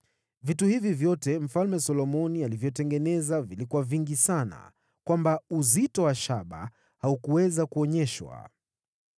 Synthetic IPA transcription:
vituhivivjɔtɛm̩falmɛsɔlɔmɔnialivjɔtɛŋɡɛnɛzavilikuaviŋɡisana̰ | kwambauzitɔwaʃaɓa̰ | haukuwɛzakuɔɲɛʃwa̰

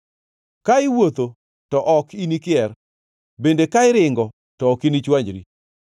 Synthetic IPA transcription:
kaɪwot̪o | tɔʔɔkinikɪɛr | bendekaɪɾɪŋɡɔ | tɔːkinit͡ʃwaɲd͡ʒɾḭ

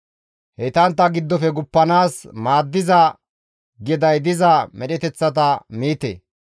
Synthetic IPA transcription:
hɛt̪ɐnt̪ːɐɡɪd̪ːɔfɛɡʊpːɐnaːsmaːd̪ːɪzɐ | ɡɪd̪ɐjd̪ɪzɐmɛɗɛt̪ɛt͡sːɐt̪ɐmiːt̪ḛ

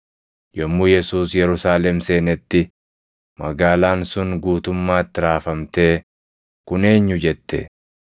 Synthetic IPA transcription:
jɔmːʊːjɛsuːsjɛɾʊsaːlɛmse̞ːnɛt̪ːɪ | mɐɡaːlaːnsʊnɡuːt̪ʊmːaːt̪ːɪɾaːfɐmt̪e̞ː | kʊne̞ːɲːʊd͡ʒɛt̪ːɛ̰

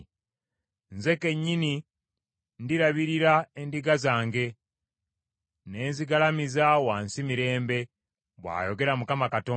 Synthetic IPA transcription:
nze̞ke̞ɲːini | ndiɾaβiɾiɾae̞ndiɡazaːŋɡe̞ | ne̞ːnziɡalamizawaːnsimiɾe̞ːmbe̞ | βwa̰ːjo̞ɡe̞ɾamukamakatoː

